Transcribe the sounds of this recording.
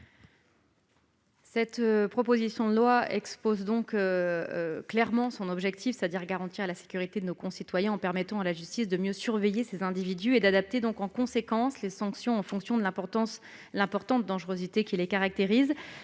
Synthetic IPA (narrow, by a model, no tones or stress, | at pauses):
sɛt̪pχɔpozisjɔ̃d̪əlwaɛkspozd̪ɔ̃kø | klɛʁmɑ̃sɔ̃nɔbʒɛk̚t̪ʰifset̪ad̪iʁɡaʁɑ̃t̪iʁalase̥kʲyʁit̪ed̪ənokɔ̃sit̪wajɛ̃ɑ̃pɛʁmɛt̪ɑ̃alaʒyst̪isd̪əmjøsyʁvejesezɛ̃d̪ivid̪yed̪ad̪ap̚t̪ed̪ɔ̃kɑ̃kɔ̃sekɑ̃slesɑ̃ksjɔ̃ɑ̃fɔ̃ksjɔ̃d̪əlɛ̃pɔ̃s | lɛ̃pɔʁt̪ɑ̃t̪̚d̪ɑ̃ʒʁøzit̪ekʲilekaʁak̚t̪eʁiz